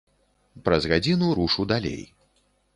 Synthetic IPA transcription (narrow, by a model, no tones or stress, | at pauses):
pɾɐzɣad͡zʲinuɾuʂuwd̪alʲḛj